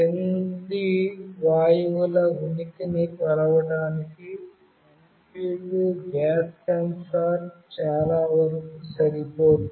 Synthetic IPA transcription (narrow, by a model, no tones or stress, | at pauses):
tend̪iʋaːjɐʋulɐunikinipɐɾɐʋɐɽaːniki | ɐm | piːɭːuɡaːskɐnsaːɾt͡ʃaːlaːʋɐɾsɐɾipoːʈ